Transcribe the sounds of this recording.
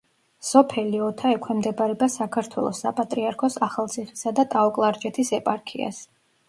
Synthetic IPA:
sɔpʰɛliɔt̪ʰaɛkʰwɛmd̪ɛbaɾɛbasakʰaɾt̪ʰwɛ̰lˠɔ̰sːa̰pʼat̪ʼɾiaɾkʰɔsaχalˠt̪sʰiχisad̪at̪ʼaɔkʼlˠaɾd͡ʒʼɛt̪ʰisɛpʼaɾkʰḭa̰s

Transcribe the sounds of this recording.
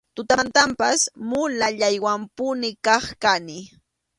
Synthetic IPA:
t̪ʊt̪ant̪ampasmʊlaʎajwampʊnɪkɑχkanɪ

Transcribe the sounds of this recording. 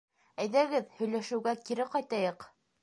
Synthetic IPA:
æjðæɡɘðhɵ̆jlæʃɘ̆wɡækiɾɘqɑjt̪ɑjɤq

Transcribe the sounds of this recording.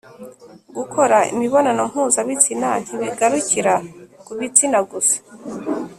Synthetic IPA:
ɡukʰoɾaḭmiβo̞nanom̥huːzaβit͡sinan̥iβiɡaɾuciɾakuβit͡sinaɡusḁ

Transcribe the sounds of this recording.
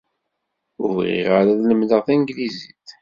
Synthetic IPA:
ʊvʁḭʁaɾaðləmðəʁθænɡliziθ

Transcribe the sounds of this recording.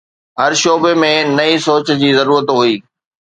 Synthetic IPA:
ɦɐɾʃoːbemẽnɐisoːt͡ɕd͡ʑiːzɐɾuːɾət̪ɦuiː

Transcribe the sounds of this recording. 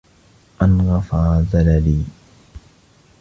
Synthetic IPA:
ʔanɣɑfaːðalaliː

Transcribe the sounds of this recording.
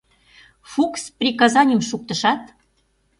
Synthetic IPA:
fuksprʲikɑzɑnʲəmʃuk̚t̪ə̆ʃɑt̪

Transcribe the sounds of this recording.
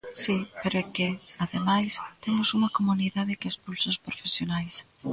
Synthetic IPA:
sipeɾoɛkɪaðemajst̪emʊsuŋɐkomuniðaðɪkɪespulsoʊspɾofesjonajs

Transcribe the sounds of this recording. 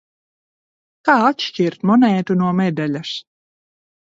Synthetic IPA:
kaːat̪ʃt͡ʃiɾt̪mɔnɛjt̪unuɔmɛd̪ɛlʲas

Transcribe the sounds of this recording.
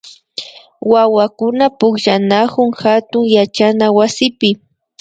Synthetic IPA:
wawakʊnapʊkʒanakʊŋxat̪ʊŋjat͡ʃanawasɪpɪ

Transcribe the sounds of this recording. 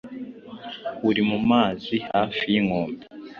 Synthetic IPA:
uɾimumaːzihaːfijiŋoːmbe

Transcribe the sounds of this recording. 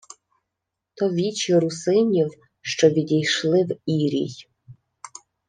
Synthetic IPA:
t̪ɔʋʲit͡ʃjɔɾusɪnʲiw | ʃt͡ʃɔʋʲid̪ʲijʃlˠɪwiɾʲḭj

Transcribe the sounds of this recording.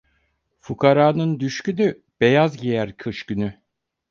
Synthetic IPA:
fukʰaɾaːnɯnd̪yʃcyny | b̥e̞jazɟijæɾkʰɯʃcyny

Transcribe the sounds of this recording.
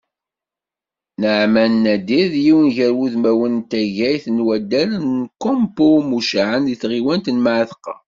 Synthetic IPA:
nəʕmænːæd̪iðjiwənʝæɾwuðmæwənt̪æʝæjθnwæd̪ːælnːkompomuʃʕənðiθʁiwænt̪ənmaʕθə̥qɑ̰

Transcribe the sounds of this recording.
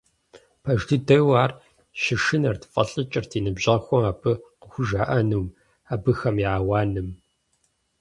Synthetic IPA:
pʰɐʒdɨdɐwaːr | ʃɪʃɨnɐrtʰɨ̥fʼɐɬʼɨt͡ʃʼɪrtʰiːnɨbʑɐxʷɔmaːbʰɨqəxʷʊʒaːʔɐnuːm | aːbɨxɐmiaːwaːnɨm

